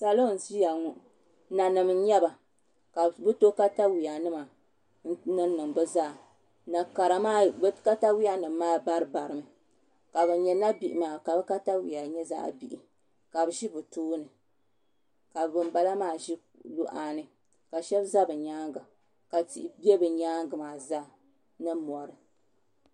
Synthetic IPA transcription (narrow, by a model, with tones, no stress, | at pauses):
sa˨lo˦˨n̩˨zi˦ja˨ŋu˦ʔ | na˨nɨ˨m˨˦ɲɛ˦ba˨ | ka˨bɨ˦to˦ka˦ta˦wi˨ja˨nɨ˦ma˨ | n̩˦nɨ˦n˦nɨ˨ŋbɨ˦zaː˦˨ | na˨ka˨ɾa˨maː˦bka˦ta˦wi˦a˦nɨ˨mː˦aː˦ba˦ɾɨ˦ba˨ɾɨ˨mɨ˨ | ka˨bɛ˨ɲɛ˨na˦bi˨ʔɪ˨maː˨ka˨bɨ˦ka˦ta˦wḭ˨ja˨ɲɛ˦za̰˦˨bi˨ʔi˨ | ka˨bɨ˨ʃi˦bɨ˨tuː˦nɨ˨ | ka˨bɨ˨mba˦la˦maː˦˨ʒi˦ | lu˦ʔaː˨nɨ˦ | ka˨ʃɛ˦bza˦bɨ˨ɲaː˦ŋɡa˨ | ka˨ti˦˨ʔbɛ˦bɨ˨ɲaː˦ŋɡɨ˨maː˨za˦ | nɨ˦mɔ˨ɾɨ˨